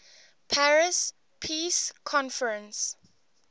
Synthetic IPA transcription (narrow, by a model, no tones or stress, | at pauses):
pʰaɹɪs | pʰiːskʰɔ̃nfəɹə̃ns